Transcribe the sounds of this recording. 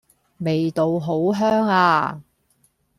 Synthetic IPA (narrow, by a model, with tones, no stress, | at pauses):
me˨jt̪o˨wɦo˨˥wɦœː˥ŋaː˧